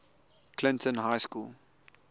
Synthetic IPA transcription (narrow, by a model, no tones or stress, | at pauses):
kʰlɪ̃ntə̃nɦaɪskuːl